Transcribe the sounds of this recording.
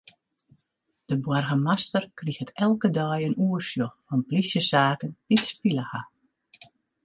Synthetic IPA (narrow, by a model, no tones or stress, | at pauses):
d̥əbwɔrɣəmastərkrixətɛlˠkədœjənuərsjoxfɔnplisjəsaːkənd̥itspiləha